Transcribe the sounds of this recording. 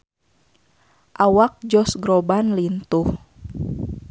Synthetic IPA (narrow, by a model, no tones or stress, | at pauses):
ʔawak̚d͡ʒɔsɡɾɔbanlint̪uh